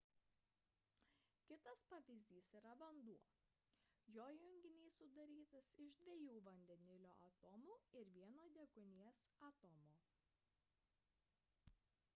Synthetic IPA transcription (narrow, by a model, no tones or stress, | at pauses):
kʲɪt̪ɐspɑʋʲɪzʲd̪ʲiːsiːɾɐʋɐnd̪uɔ | joːjʊŋʲɡʲɪnʲiːsʊd̪ɐɾʲiːt̪ɐsɪʒd̪ʲʋʲeɛjuːʋɐnʲd̪ʲɛnʲɪlʲoːʔɐt̪ɔmuːɪɾʋʲiɛnoːd̪ʲɛkʊnʲiɛsɐt̪ɔmoː